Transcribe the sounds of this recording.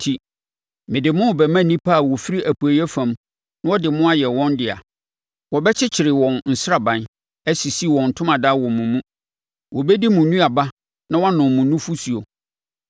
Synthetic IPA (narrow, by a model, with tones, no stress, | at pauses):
tʰi˨ | mɪ̃˨dɪ˨mʊ̃˦˨bɛ˨mã˦nĩ˦pʰa˦˨wɔ˨fi˦ɾi˦ʔæ˨pʰu˨æ˨jɛ˦fã˨m | nã˦wɔ˦dɪ˨mʊ̃˦a˦jɛ˨wɔ̃˦ndɪ˨a̰˨ | wɔ˨bɛ˦t͡ɕʰɪ˦t͡ɕʰɪ˨ɾɪ˨wɔ̃˨nn̩˨sɾa˨bã˨n | æ˦si˨si˦wɔ̃˨n̩˨tʰʊ̃˦mã˨da˦wɔ̃˨mːũ˨mũ˦ | wʔɔ˨bɛ˦di˦mũ˨nũ˦a˨ba˦ | nã˦wã˦nʊ̃˨mmʊ̃˨nũ˦fu˦su˨o˨